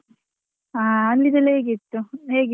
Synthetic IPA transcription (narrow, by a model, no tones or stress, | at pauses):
aːɐnlid̪ɐleːɡit̪ːuɦeːɡi